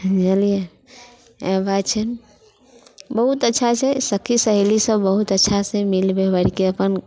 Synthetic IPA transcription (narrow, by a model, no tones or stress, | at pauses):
d͡ʒəlije | ebat͡ʃʰən | bəɦut̪ətːʃʰat͡ʃʰɛsəkʰːisəɦelisə̃bbəɦut̪ətːʃʰasẽmilbebəɽikeəpən